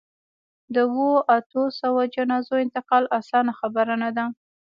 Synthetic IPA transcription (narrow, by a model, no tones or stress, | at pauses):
d̪əwoʔat̪osawad͡ʒanɑzoɪnt̪ɪqɑlʔasɑnaxabaɾanad̪a